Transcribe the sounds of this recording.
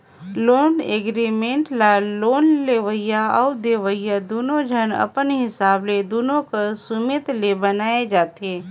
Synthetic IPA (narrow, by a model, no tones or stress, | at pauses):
loːneɡɾimẽːɳʈlaloːnleːʋəɪjaaud̪eːʋəjad̪oːnõd͡ʒʱənə̰pənɦɪsaːbled̪oːnõkəsʊmet̪lebənaːed͡ʒaːt̪eː